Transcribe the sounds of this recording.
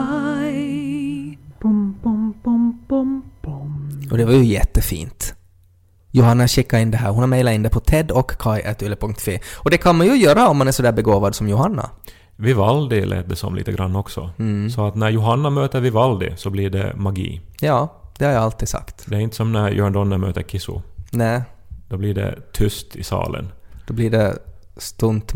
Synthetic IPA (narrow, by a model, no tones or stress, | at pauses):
pɔmpɔmpɔmpɔmpʊmʔɔd̪ɛvaɾjɵjɛt̪ːəfḭːnt̪ | jʊɦanːaɕɪkːaɾɪnd̪ɛɦæːɾhʊnhaɾmɛɪlaɾɪnd̪ɛpʰɔt̪ʰɛd̪ɔkːʰaɪʔɛt̪ʉlːəpʰɵŋkt̪ʰseːɔd̪ɛkʰanmanjɵjøːɾaɔmːanæɾsɔd̪æːɾbɛɡoːvad̪sɔmjʊhanːa̰ | ʋɪʋɑld̪ɪlʔḛːt̪̚d̪ɛsɔ̰mlḭt̪əɡɾɑnːɔksɔ̰sɔɑt̪næɾjʊɦɑnːɑmøːt̪əɾʋɪʋɑld̪ɪ̰sɔblɪɖɛ̰mɑɡḭːjɑːd̪̥ɛhɑɾjɑɑlt̪isɑ̰kt̪d̪ɛæɾɪnt̪ə̥sɔmnæɾjʔɔɾnd̪ɔnːɑmø̰ːt̪əɾkʰɪsʊ̰næːd̪̥oːblɪɖɛ̰t̪ʰʏst̪ʰɪsɑ̰ːlʔə̰nd̪̥oːblɪɖɛ | st̪ʊnt̪